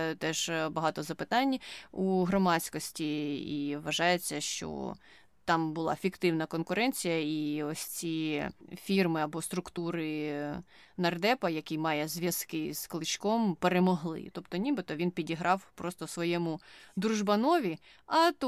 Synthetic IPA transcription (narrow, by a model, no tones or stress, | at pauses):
t̪ɛʒbɐɦɑt̪ɔzɐpɪt̪ɑnʲuɦɾɔmɑt͡sʲkɔsʲtʲiiʋɐʒɑjet͡sʲːɐʃt͡ʃɔ̰ | t̪ɑmbʊlˠɑ̰fʲikt̪ɪwnɐkɔnkʊɾɛnʲt͡sʲijɐiɔsʲt͡sʲifʲirmɪɐbɔst̪ɾʊkt̪uɾɪ | nɐrd̪ɛpɐjɐkijmɑjɛzʲʋʲjɐskɪz̥klˠɪt͡ʃkɔmpeɾemɔɦlˠɪ̰t̪ɔpt̪ɔnʲibɪt̪ɔʋʲinpʲidʲiɦɾɑwpɾɔst̪ɔsʋɔjɛmʊd̪ɾuʒbɐnɔʋʲi | ɐt̪